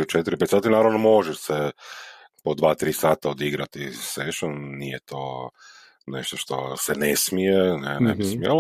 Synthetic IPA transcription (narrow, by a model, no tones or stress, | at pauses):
ut͡ʃet̪iɾipet̪saːt̪inaːɾaʋnomo̞ʒɛʃse | pod̪ʋaːt̪ɾiːsaːt̪aod̪iɡɾat̪iseʃonːijet̪o̰ː | nḛʃt̪oʃt̪o̞̰senesmijenɛnebismmi